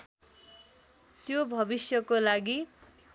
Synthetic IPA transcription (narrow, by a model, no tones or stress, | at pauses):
t̪jobʱʌbisjʌkolaɡi